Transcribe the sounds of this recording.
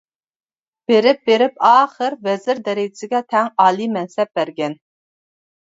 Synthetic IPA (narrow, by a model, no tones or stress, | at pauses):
b̥eɾɪp̚beɾɪpɑːχəɾvɛzɪɾd̪ɛɾɪɡɪsɪɡʲɛt̪ʰɛŋɑːlˠimɛnsɛp̚bæɾɡʲɛn